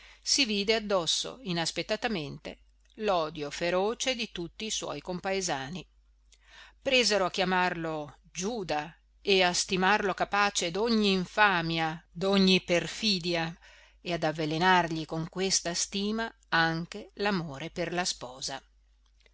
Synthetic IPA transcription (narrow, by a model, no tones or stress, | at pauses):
siviːd̪ead̪ːɔsːo̰inaspet̪ːat̪ament̪ḛ | lɔːd̪jofeɾoːt͡ʃed̪it̪ut̪ːiːswɔ̰jkompaezaːni | pɾezeɾoak̟ːjamarlo | d͡ʒuːd̪a | east̪imarlokapaːt͡ʃed̪oɲːiːɱfaːmjad̪oɲːiperfiːd̪ja | ead̪avːelenarʎikoŋkwest̪ast̪iːma | aŋk̟elamoːɾeperlaspɔːza